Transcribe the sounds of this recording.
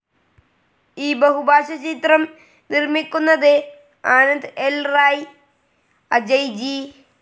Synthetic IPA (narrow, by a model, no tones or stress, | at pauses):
iːbɐɦubʱaːɕɐt͡ɕit̪rɐm | nirmikʲːunːɐðe | aːnɐnd̪elraːj | ɐd͡ʑɐjd͡ʑi